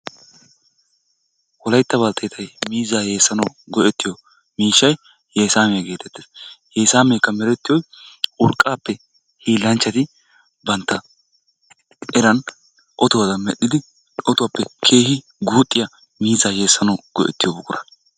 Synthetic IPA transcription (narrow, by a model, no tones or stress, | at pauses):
wɔlɐjt̪ːɐbɐlt̪ʰːɐjt̪ʰɐjmiːzaːje̞ːsːɐnɐwɡɔʔɛt̪ːɪjo | miːʃːɐj | je̞ːsaːmɛjɐɡe̞ːt̪ɛt̪ːeːsje̞ːsaːmeːkːɐmɛɾɛt̪ːɪjɔjʔʊɾkʼːaːpːɛ | hiːlːɐnt͡ʃːɐt̪ɪ | bɐnt̪ːɐ | ɛɾɐn | ʔɔt̪ʊwɐd̪ɐmɛɗɪd̪ɪ | ʔɔt̪ʊwɐpːɛkʰe̞ːhɪ | ɡuːt̪ʼːɪjɐ | miːzaːje̞ːsːɐnɐwɡ̥ɔʔɛ̰t̪ːɪjɔbʊkʼːʊɾɐ